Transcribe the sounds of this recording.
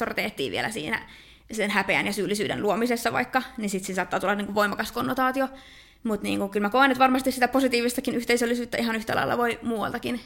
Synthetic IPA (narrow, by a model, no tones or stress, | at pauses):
ort̪eːht̪ːˑḭːʋḭḛlæsḭːnæ̰ | senhæpeæ̰njɑsyːlːisyːdḛnluomisesːɑʋɑ̰ikːɑnisit̪sinsɑːt̪ːɑːt̪ulːɑniːŋkuʋʋoimɑkɑskonːot̪ɑːt̪io | mut̪nḭːŋkuŋkylmækoenːyt̪ʋɑrmɑst̪issit̪æposit̪iːʋist̪ɑkinyht̪eisølːisyːt̪ːæihɑnyht̪æ̰lɑ̰ḭlːˑɑ̰ʋoimuːʋɑ̰lt̪ɑkin